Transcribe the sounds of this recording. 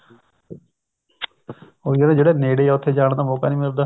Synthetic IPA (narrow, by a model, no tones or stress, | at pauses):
oːjənẽd͡ʒeːɽeːneːɽeːɛːʊt̪ʰːeːd͡ʒaːɳ̃d̪aːmoːkaːnĩːmɪld̪aː